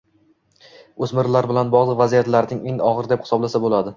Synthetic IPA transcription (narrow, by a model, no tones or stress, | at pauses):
ɵzmɪɾlaɾbɪlanbɒʁlˠɨqvazijat̪laɾnɪŋeŋɒʁɨɾd̪ephɪ̥sɒblasabolad̪ɪ